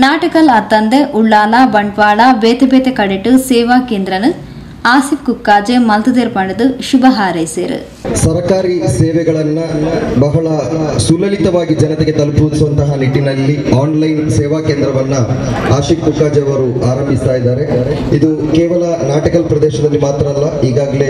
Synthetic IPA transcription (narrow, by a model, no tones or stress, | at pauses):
naːʈɐkɐlɐt̪ːɐnd̪eʔuɭːaːlabɐɳɖʋaːɭabeːt̪ebeːt̪ekɐɽeʈːusɛːʋaːkeːnd̪ɾɐnɐ | aːsifkukːaːd͡ʒemɐlt̪ɐd̪eːɾpaɽɐd̪uʃubɐɦaːɾeseːɾ̰ | sɐɾkaːɾiseːʋɛɡɐɭɐnːɐbɐɦɐɭɐsulɐlit̪ɐʋaːɡid͡ʒɐnɐt̪eɡe̞t̪ɐlpud̪isuʋɐnt̪ɐɦɐniʈːinɐlːiaːnlɐjnsɛːʋaːkeːnd̪ɾɐʋɐnːɐaːʃifkukːaːd͡ʒɛɐʋɐɾuaːɾɐmbʱist̪aːjid̪aːɾe̞id̪ukeːʋɐlɐnaːʈikɐlpɾɐd̪ɛːʃɐd̪ɐlːimaːt̪ɾɐɐlːɐiːɡaːɡɐle̞